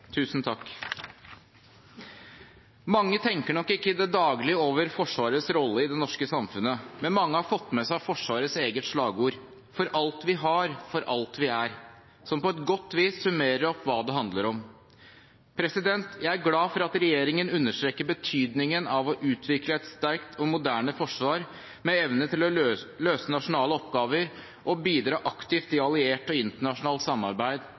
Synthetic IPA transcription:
t̪ʰʉːsnt̪ʰɑkː | mɑŋːət̪ʰɛŋkəɳɔkːɪkːəɪd̪ɛd̪ɑːɡlɪəoːʋəɾfɔʂʋɑːɾəsɾɔlːəɪd̪ɛnɔʂkəsɑmfʉnəmɛnmɑŋːəhɑɾfɔt̪ːmɛsæɪfɔʂʋɑːɾəseːɡət̪ʂɭɑːɡuːɾ | fɔɾʔɑlt̪ʋɪɦɑɾfɔɾʔɑlt̪ʋɪæɾ | sɔmpɔɛt̪ɡɔt̪ːʋiːsːʉmeːɾəɾɔpːʋɑːd̪ɛɦɑnd̪ləɾɔm | pʰɾɛsɪd̪ɛnt̪ʰjæɪæɾɡlɑːfɔɾɑt̪ɾɛjeːɾɪŋənʉnːəʂʈ̪ɾeːkːəbət̪ʰyːd̪nɪŋənɑʋɔʔʉːt̪ʰʋɪkləɛt̪st̪æɾkt̪ʰɔmʊd̪æːɳəfɔʂʋɑːɾ | mɛɛʋnət̪ɪlɔløːsənɑʂʊnɑːləɔpɡɑːʋəɾ | ʔɔbiːd̪ɾɑːʔɑkt̪ɪft̪ɪɑlɪeːʈɔɪnt̪əɳɑʂʊnɑːlt̪sɑmːɑɾbæɪd̪

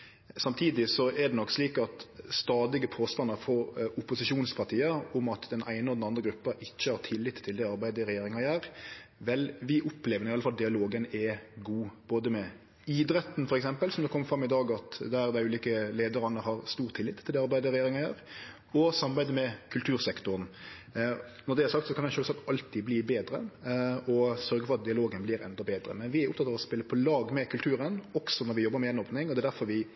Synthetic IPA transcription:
sɑmt̪ʰiːd̪ɪsɔɛd̪ɛnɔkːsliːkɑt̪st̪ɑːd̪ɪɡəpʰoːst̪ɑnːɑɾfɔɾʊpʊsɪʃuːnspʰɑɾt̪ʰiːəʊmɑt̪d̪ɛnʔæɪnəɔd̪ɛnɑnd̪ɾəɡɾʉpːəɾɪçːəhɑɾt̪ʰɪlːɪt̪ʰːɪld̪ɛɑɾbæɪd̪əɾɛjeːɾɪŋɑjæːɾʋɛlʋɪʔʊpleːʋəɾnɪɑləfɑld̪ɪɑloːɡənɛɡuːb̥oːd̪əmɛ | id̪ɾɛt̪n̩fɔɾɛksɛmpəlsɔmd̪ɛkʰɔmːəfɾɑmːɪd̪ɑːɡɑt̪d̪æɾd̪ɛʉːliːkəleːd̪əɾɑnəɦɑɾst̪uːʁt̪ʰːɪlɪt̪ʰːɪld̪ɛɑɾbæɪd̪əɾɛjeːɾɪŋɑhæɾ | ɔsɑmɑbæɪd̪əmɛkʰʉlt̪ʰʉːɾsɛkt̪ʊɾn | nɔɾd̪ɛæɾsɑkt̪sɔkʰɑnæɪʃøːlsɑkt̪ɑlt̪ʰibliːbeːd̪ɾəɔsœɾɡəfɔɾɑt̪̚d̪ɪɑloːɡənbliːɾɛ̰nd̪ɑbeːd̪ɾə̰mɛnʋɪæɾʊp̚ʰt̪ɑt̪ːɑːʋɔspɪlːəpʰɔlɑːɡmɛkʰʉlt̪ʰʉːɾənɔksɔnɔɾʋɪjɔbːəɾmɛɛnoːpnɪŋɔd̪ɛːd̪æɾfɔɾʋɪ

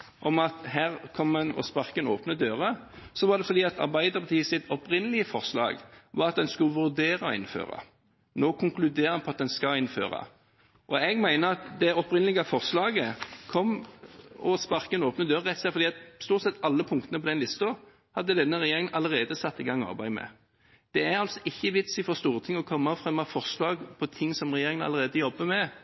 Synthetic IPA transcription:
ʔɔmɑt̪ɦæːʁkʰɔmːɛnɔ̰spɑʁkəno̰ːpnəd̪øːʁəsɔʋɑʁd̪ɛfɔɾd̪iːɑt̪ʰɑ̰ɾbæɪd̪əɾpʰɑt̪ʰiːəsɪt̪ɔpʁɪnːəlɪəfɔʁslɑ̰ːɡʋɑʁɑt̪̚d̪ɛnskʉʋʉɾd̪eːɾɑɔ̰ɪ̰nfø̰ːʁɑ̰ | noːkʰʊŋklʉd̪eːɾəɑnpʰɔɑt̪̚d̪ɛnskɑɪnːfø̰ːɾɑ̰ | ʔɔɛɡmæɪnəɾɑt̪d̪ɛɔpʁɪnəlɪɡɑfɔʁslɑːɡəkʰɔmː | ɔspɑɾkəɛnoːpnəd̪øːʁːɛt̪sɛfɔɾd̪iːɑt̪st̪uːʁt̪sɛt̪ːɑlːəpʰʊŋk̚t̪ənəpɔd̪ɛnlɪst̪o | hɑd̪ːəd̪ɛnːəʁɛjeːɾɪŋənʔɑləʁeːd̪əsɑt̪ːɪɡɑŋːɑ̰ʁbæɪmɛ̰ | d̪̥ɛæɾɑlt̪sɔɪçːəʋɪt̪sɪfɔʁst̪uːʁət̪ʰɪŋːɔkʰɔmːɑfʁɛmːɑfɔʁslɑːɡpʰɔt̪ʰɪŋsɔmʁɛjeːɾɪŋənɑ̰ləɾeːd̪əjɔbːəmɛ

